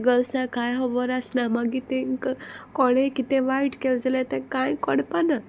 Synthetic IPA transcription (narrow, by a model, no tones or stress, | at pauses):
ɡəlsakajɦɔʋəɾəsnamaɡit̪ẽkəkɔɽ̃ekit̪ẽʋaiʈkeld͡zalet̪ẽkãjkɔɽpana